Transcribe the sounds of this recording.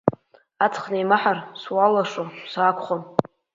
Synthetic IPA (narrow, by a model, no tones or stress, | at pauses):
at͡sʰχnejmaħarswalaʂʼosakʷʰχom